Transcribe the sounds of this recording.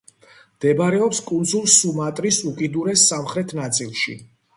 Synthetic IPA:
md̪̥ɛbaɾɛɔpskʼund̪zulˠsumat̪ʼɾisukʼid̪uɾɛsːamχɾɛt̪ʰnat̪sʼilˠʃḭ

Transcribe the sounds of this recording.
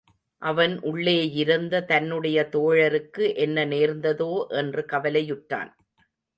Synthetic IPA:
ʔɐʋɐnʔʊɭːeːjɪɾɯnd̪ɐt̪ɐnːɯɽɐjɐt̪oːɻɐɾɯkːɯʔɛnːɐneːɾnd̪ɐðoːʔɛndrɯkɐʋɐlɐjʊʈːa̰ːn

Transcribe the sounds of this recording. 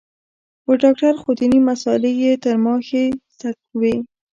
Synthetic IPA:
wəɖɑk̚ʈaɾxod̪inimasɑlejet̪əɾmɑxesa | we

